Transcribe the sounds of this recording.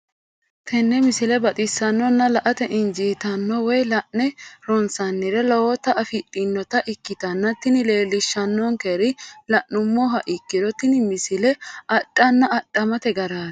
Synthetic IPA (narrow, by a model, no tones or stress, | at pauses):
t̪ʰɛnːɛmɪsɪlɛbɐt̪ʼɪsːɐnːɔnːɐlɐʔɐt̪ɛʔɪnd͡ʒiːt̪ɐnːɔwɔjlɐʔːɛɾɔnsɐnːɪɾɛlɔwɔt̪ɐʔɐfɪtʼːɪnːɔt̪ɐʔɪkːɪt̪ɐnːɐt̪ːɪnɪle̞ːlɪʃːɐnːɔŋkeɾɪlɐʔːʊmːɔɦɐʔɪkːɪd̪ɔt̪ɪnmɪsɪlɛɐɗʼːɐnːɐɐtʼːɐmɐt̪ɛɡɐɾaːd̪